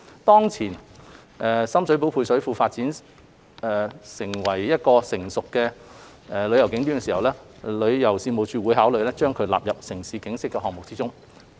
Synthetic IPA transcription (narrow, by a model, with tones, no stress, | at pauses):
t̪ɔː˥ŋt͡sʰiː˨˩n | ʔɛː˨sɐ˥msɵ˨˥ɥp̬o˨˥wpʰuː˧jsɵ˨˥ɥfuː˧faː˧t̚t͡siː˨˥n | ɛː˨sɪ˨˩ŋwɐ˨˩jjɐ˥t̚kɔː˧sɪ˨˩ŋsʊ˨kːɛː˧ | ɛ˨lɵ˨˧ɥjɐ˨˩wkɪ˨˥ŋt̪iː˥˨˧si˨hɐ˨wlɛː˥ | lɵ˨˧ɥjɐ˨˩wsiː˧nmo˨˧wt͡ʃyː˧wuː˨˥jɦaː˨˥wlɵ˨ɥlɛː˥t͡ʃœː˥ŋkʰɵ˨˧ɥla̰ː˨p̚jɐ˨p̚sɪ˨˩ŋsiː˨˧kɪ˨˥ŋsɪ˥kːɛː˧ɦɔː˨ŋmʊ˨k̚t͡siː˥t͡sʊ˥ŋ